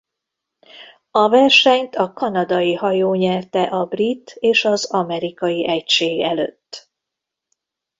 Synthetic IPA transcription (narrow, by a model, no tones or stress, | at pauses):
ɒvɛrʃɛɲt̪ʰɒkɒnɒd̪ɒjiɦɒjoːɲɛrt̪ɛʔɒbrit̪ːeːʃɒzɒmɛɾikɒjiʔɛcʃeːɡɛlø̰t̪ː